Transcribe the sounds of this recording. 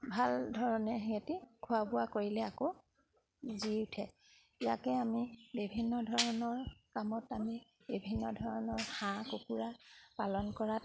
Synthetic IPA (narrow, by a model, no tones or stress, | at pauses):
bʱaldʱɔɹɔnɛɦetikʰuabʊwakoɹilɛako | ziʊtʰɛ | ija̰kɛamibibʱinːɔdʱɔɹɔnɔɹkamɔtami | bibʱinːɔdʱɔɹɔnɔɹxãkokuɹapalɔnkɔɹat